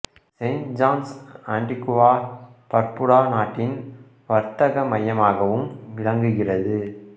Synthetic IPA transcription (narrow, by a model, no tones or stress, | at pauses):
sɐɪnʈd͡ʒaːnsaːɳɖɪkʊʋaːpɐɾpɯɽaːnaːʈːɪn | ʋɐɾt̪ɐɣɐmɐjɐmaːɣɐʋɯmʋɪɭɐŋɡɯɣɪrɐðɯ